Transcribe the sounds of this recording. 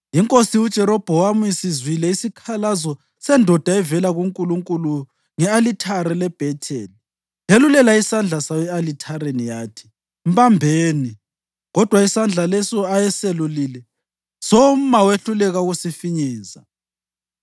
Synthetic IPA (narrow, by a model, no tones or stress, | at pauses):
jiŋkʼosiud̥ʒ̥ʱɛɾɔb̥ʱɔwamujisizwilɛisikʰalazɔ | sɛndʱɔd̥ʱaɛvɛlaɣuŋkʼuluŋkʼulu | ŋɛalitʰaɾɛlɛb̥ʱɛtʰɛːli | jelulɛlaisand͡ɮʱasawɛalitʰaɾenijaːtʰi̥ | m̩βambʱeːni | ɣɔd̥ʱwaisand͡ɮʱalɛsɔajɛselulilɛ | sɔm̩maweɬulɛɣauɣusifiɲɛːza